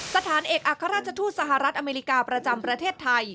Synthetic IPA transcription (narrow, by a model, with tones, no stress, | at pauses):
sa˧t̪ʰaː˩˦nʔeː˨˩k̚ʔaː˨kʰːa˧ɾaː˥˩t̪̚t͡ɕʰa˧t̪ʰuː˥˩t̪̚sa˧ɦa˨˩ɾa˦˥t̪̚ʔa˧meː˧ɾi˦˥kaː˧pɾa˧t͡ɕa˧mpɾa˧t̪ʰeː˥˩t̪ʰːa˧j